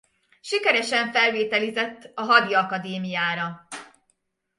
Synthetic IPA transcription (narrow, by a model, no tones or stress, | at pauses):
ʃikɛɾɛʃɛɱfɛlveːt̪ɛlizɛt̪ːɒɦɒd̪iɒkɒd̪eːmijaːɾɒ